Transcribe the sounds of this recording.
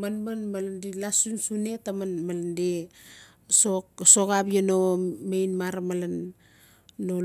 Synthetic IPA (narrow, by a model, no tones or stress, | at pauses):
manmanmalandelasunsune̞tamanmalande | soksokabianomejnmaɾamalanː | o